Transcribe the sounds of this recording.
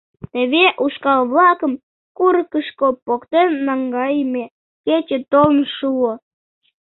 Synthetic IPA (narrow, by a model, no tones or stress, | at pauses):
t̪eβeʔuʃkɑlβlɑkəm | kuɾəkəʃkopokt̪enːɑŋɡɑjme | ket͡ɕet̪olnʃuo